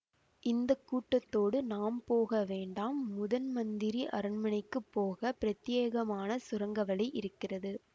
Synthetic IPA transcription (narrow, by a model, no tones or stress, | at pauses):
ʔɪnd̪ɐkːuːʈːɐt̪ːoːɽɯnaːmpoːɣɐʋeːɳɖaːmːʊðɐnmɐnd̪ɪɾiʔɐɾɐnmɐɳɐɪkːɯpːoːɣɐpɪɾɐt̪ːɪjeːɣɐmaːnɐsʊɾɐŋɡɐʋɐɭɐɪʔɪɾɯkːɪrɐðɯ